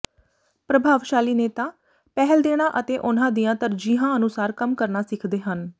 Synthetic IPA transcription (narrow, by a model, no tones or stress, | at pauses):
pɾəbʱaːʋʃaːliːneːt̪ãː | pɛɦəld̪eːɽ̃aːʔət̪eːʔʊnãːd̪ijãːt̪əɾd͡ʒiːɦãːənʊsaːɾkəmkəɾnaːsɪkʰd̪eːɦən